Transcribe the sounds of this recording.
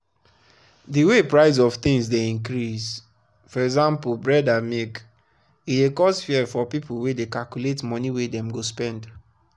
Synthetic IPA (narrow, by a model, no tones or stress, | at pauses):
diwepɹaɪz̬ɔv̥t̪ĩŋsdeĩŋkɾis | fɔɹɛkzãmpbɹɛdamek | idekɔsfiɛfɔpipuwedekalkuletmɔniwedɛ̃mɡospɛ̃nd